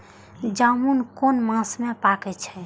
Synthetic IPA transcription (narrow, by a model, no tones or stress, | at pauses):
d͡ʒamunkonmãsmepakɛt͡ʃʰɛ